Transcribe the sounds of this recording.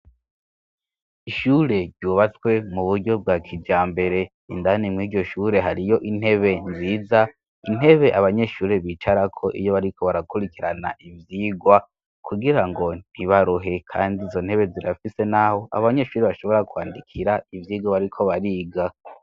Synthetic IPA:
iʃuːɾe̞ɾɟuːβat͡swe̞muβuɾɟo̞b̚ɡaːkʰid͡ʒaːmbe̞ɾe | indanimŋiːɟo̞ʃuːɾe̞ɦaɾijo̞ʔin̥he̞βe̞nziːza | in̥he̞βe̞ʔaβaɲe̞ʃuːɾe̞βit͡ʃaɾakʰo̞ʔḭjo̞βaɾikʰo̞βaɾakuɾikiɾana̰ʔivjiːɡwa | kʰuɡiɾaŋɡo̞n̥hiβaɾuɦe̞kʰaːndizo̞n̥he̞βe̞ziɾafise̞naho̞ʔa̰βaɲe̞ʃuːɾeβaʃo̞βo̞ɾakwaːndikʰiɾaivjiːɡwaβaɾikʰo̞βaɾiːɡa

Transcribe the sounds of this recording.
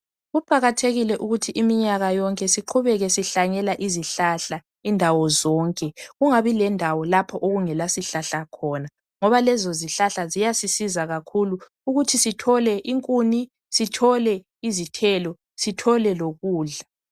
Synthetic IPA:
ɣupʼaɣatʰeɣilɛʔuɣutʰiʔimiɲaɣajɔŋkʼɛsiǃʰuβɛɣɛsiɬaɲɛlaʔiziɬaɬa | indʱawɔzɔːŋkʼɛɣuŋaβilɛndʱawɔlapʰɔʔoɣuŋɛlasiɬaɬakʰɔːna | ŋɔβalɛzoziɬaɬazijasisizaɣakʰulu | uɣutʰisitʰɔlɛʔiŋkʼuni | sitʰɔlɛ | izitʰɛlɔ | sitʰɔlɛloɣuːɮa

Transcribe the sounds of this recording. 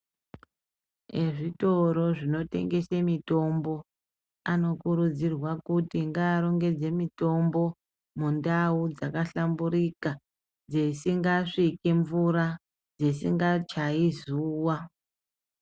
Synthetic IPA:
eʐito̞ɾo̞ʐino̞te̞̰ŋɡe̞semito̞mbo̞ | ano̞kuɾud͡zirwakutiŋɡaːɾo̞ŋɡe̞d͡ze̞mito̞mbo̞ | mundaud͡zakaɬambuɾika | d͡zesiŋɡaʂikeɱvuɾa | d͡zesḭŋɡat͡ʃaizuːwa

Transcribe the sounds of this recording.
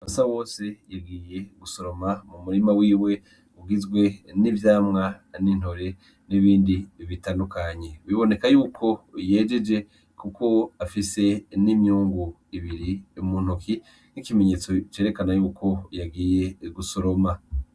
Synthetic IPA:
asawo̞ːsejaɡiːje̞ɡuso̞ɾo̞mamumuɾimawiːwe̞ | uɡizɡwe̞nivjaːmŋanin̥ho̞ɾe̞ | niβiːndiβitaːndukaɲe̞wiβo̞ne̞kajuːkʰo̞jeːd͡ʒe̞d͡ʒe̞ | kuko̞afise̞nimjuːŋɡu | iβiɾimuːn̥uki | nikime̞ɲe̞ːt͡so̞t͡ʃe̞ːɾe̞kanajuːkʰo̞jaɡiːje̞ɡuso̞ɾo̞ma

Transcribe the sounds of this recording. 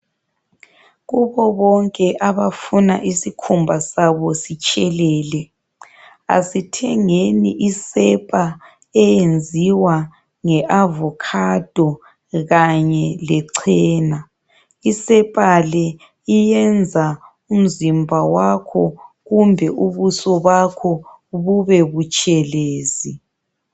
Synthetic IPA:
ɣuβɔβɔŋkʼɛʔaβafuna̰ʔisikʰumbʱasaβɔsit͡ʃʼɛlɛːlɛ | a̰sitʰɛŋenḭʔisɛpʼa | ɛjend͡zʱiwa | ŋɛʔavɔkʰad̥ʱɔ | ɣaɲɛlɛǀʰɛːna | isɛpʼalɛ | ijɛnd͡zʱa | um̩zimbʱawakʰɔɣumbʱɛʔuβusɔβakʰɔ | βuβeβut͡ʃʼɛleːzi

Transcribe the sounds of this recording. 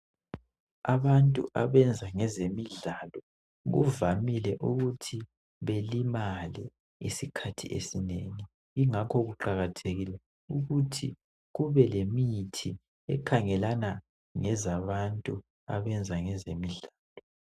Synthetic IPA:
aβantʼṵʔaβɛnd͡zʱaŋɛzemiɮalɔ | ɣṵvamilɛʔuɣutʰi | βelimalɛ | ḭsikʰatʰḭʔḛsineŋi | iŋakʰɔɣuǃaɣatʰeɣilɛ | uɣutʰi | ɣuβɛlemitʰi | ɛkʰaŋɛlana | ŋɛzaβantʼu | a̰βɛnd͡zʱaŋɛzemiɮaːlɔ

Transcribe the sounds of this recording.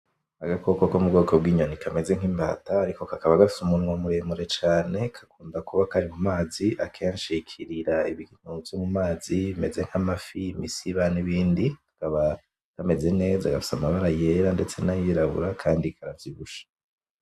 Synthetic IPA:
aɡako̞ko̞komubɡo̞ːko̞bɡiːɲo̞nikʰame̞ze̞ŋ̥imba̰ːtaːɾiko̞kakaβaɡafi̥sumunŋomuɾe̞ːmuɾe̞t͡ʃaːne̞kʰḁkuːndakuβakaɾimumaːziʔakʰe̞ːnʃikʰiɾiɾaiβiɡin̥ovjomumaːziime̞ze̞ŋ̥hamafiːmisiβaniβiːndi | kaβa | kame̞ze̞ne̞ːzaɡafi̥samaβaɾajeɾande̞t͡se̞najiɾaβṵɾakʰaːndikʰaɾavjiβuʃḁ

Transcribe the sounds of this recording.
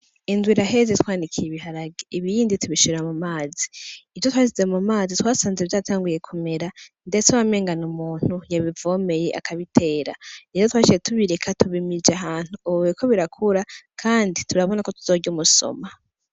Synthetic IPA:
indwiɾaɦe̞zetwaːndikʰijeβiɦaɾaɡeiβiːndituβiʃuɾeɾamumaːzi̥ivjotwaːʃizemumaːzitwaːsaːnzeevjaːtʰaːŋɡuje̞kʰome̞ɾandetaβame̞ːŋɡanumuːn̥hujaβivo̞me̞je̞ʔa̰kʰaβitʰe̞ːɾa̰ijotwaːʃijetuβiɾekʰatuβimid͡ʒeaɦaːn̥huuekʰo̞βiɾakʰuɾakʰaːndituɾaβo̞nako̞tuz̥o̞ːɟumuso̞̰ma

